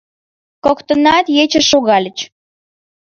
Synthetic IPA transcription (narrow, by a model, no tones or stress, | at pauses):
kokt̪ənɑt̪jet͡ɕəʃoɣɑlʲə̆t͡ɕ